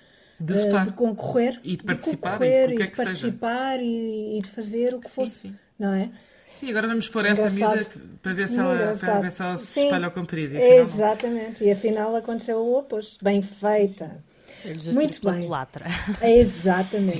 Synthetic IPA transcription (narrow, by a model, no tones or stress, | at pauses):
d̪ɨt̪aɾd̪ɨkõkuʁeɾid̪dpɐɨt̪kõikaɾʁeɾikɛkpɐɾtɐsipaɾiːðɨfɐzeɾukfos | nɐ̃w̃ɛ | sĩɐɣɔɾɐvɐmuʃpoɾɛsɡɾɐsaðpɾɐveɾsũɡɾɐaðvesɔsĩɐʎɐkõpɾiðiizat̪ɐmẽnt̪iɐfinalˠɐkõnt̪sewopoʃt̪bɐ̃j̃fɐjt̪ɐ | sezmũj̃t̪uβɐ̃j̃lˠa̰t̪ɾɐizat̪ɐmẽnt̪